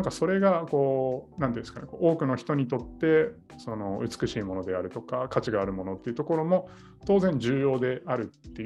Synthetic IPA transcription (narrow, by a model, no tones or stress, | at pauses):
aŋkaso̞ɾe̞ɡako̞ːnãnt̪eĩːnska̰neko̞ːʔo̞ːkɯ̟no̞çi̥t̪o̞ɲ̟it̪o̞t̪ːe̞ | so̞no̞ɯ̟t͡sɨ̥kɯ̟ɕiːmo̞no̞d̪e̞aɾɯ̟t̪o̞kakat͡ɕiɡaːɾɯ̟mo̞no̞t̪ːe̞iɯ̟t̪o̞ko̞ɾo̞mo̞ | t̪o̞ːzẽ̞ɲ̟d͡ʑɨːjo̞ːd̪e̞ʔaɾɯ̟t̪ːe̞